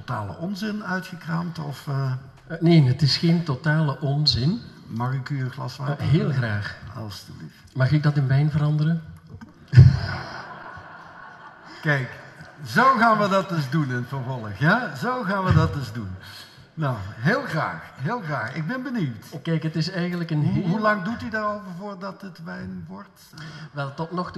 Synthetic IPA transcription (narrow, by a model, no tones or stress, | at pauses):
totaːlə̰ʔɔnzɪnœɥtxəkraːmtɔf | neːnɦətɪsχentotaːləʔɔnzɪn | mɑxɪkyənxlɑsʋaɦɪːlˠxraːxɑ̰ləstuli | mɑχɪɡ̚dɑtɪnʋɛjnvərɑndərə | kɛjkzowɣaːnʋədɑd̚dɵzdunɛnfəɹvɔlˠəxjazowɣaːnʋədɑt̚dɵzdun | nawɦɪːlˠɣra̰ːxɦɪːlˠɣraːxɪɡ̚bɛnbəniwtkɛjkɦətɪsɛjɣəntləkənɦɦulɑŋdutydarowvəɹvoːɹdɑtətʋɛjnʋɔrt | ʋɛlˠtɔtnɔxt